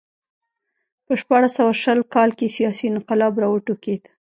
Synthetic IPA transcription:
pəʃpɑɽasawaʃəlkɑlkesijɑsinʊqalɑbɾɑwəʈoked̪

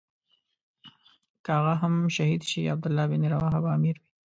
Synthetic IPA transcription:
kəaɣaɦamʃahid̪ʃiab̚d̪ʊlːɑbɪniɾawɑɦabaːmiɾwi

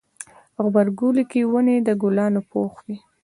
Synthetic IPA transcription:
ɣbaɾɡulikiwəned̪əɡulɑnopʰoxwi

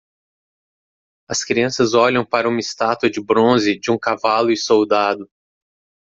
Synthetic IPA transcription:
ɐskɾiɐ̃sɐzɔʎɐ̃w̃paɾɐũmɪst̪at̪ɐd͡ʒɪbɾõzɪd͡ʒɪũkavalʊɪsowd̪ad̪ʊ

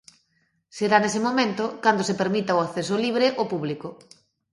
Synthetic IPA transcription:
seɾanes̬emomẽnt̪ʊkand̪osepeɾmit̪aoakθes̬oliβ̞ɾeʔopuβliko

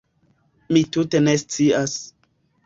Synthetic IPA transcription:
mitute̞ne̞st͡sias

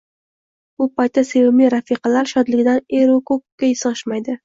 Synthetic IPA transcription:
bʊpajt̪̚d̪ase̞wɪmɪɾafiqɑlaɾʃɒd̪lɪɡʲɪd̪aneɾokʰop̚kʲːajɪsɨʃmajd̪ɪ

